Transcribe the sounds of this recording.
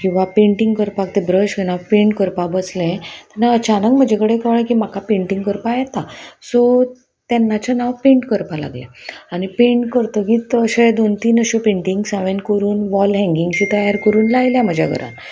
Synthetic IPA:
kĩw̃ʋapẽɳʈiŋɡkəɾpakt̪ebɾəɕkenawpẽɳʈkəɾpabəslẽt̪anaət͡ɕanək̚m̤əd͡ʑʱekəɽekəʋɳẽkim̤akapẽɳʈĩŋɡkəɾpajɛt̪asɔ | t̪ɛnːat͡ɕanawpẽɳʈkəɾpala̰ɡlja̰anipẽɳʈkəɾt̪əkit̪əɕad̪ont̪iːnəɕopẽɳʈiŋɡsãʋẽnkəɾuːnʋɔlɦɛ̃ŋɡiŋɡɕit̪əjaɾkəɾuːnlajljam̤əd͡ʑʱa̰ɡʱə̰ɾʔa̰n

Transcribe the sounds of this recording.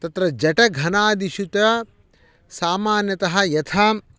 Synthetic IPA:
t̪ɐt̪ɾɐd͡ʒɐʈɐɡʱɐnaːd̪iʃut̪ɐ | saːmaːnjɐt̪ɐɦɐ̆jɐt̪ʰɐ

